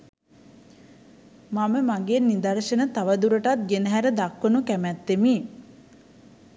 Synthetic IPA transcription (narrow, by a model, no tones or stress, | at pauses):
maməmaɡeːnːid̪ɐɾʃənət̪aʋəd̪uɾəʈat̪̚ɡenəɦæɾəd̪akʋənukæmæt̪ːemiː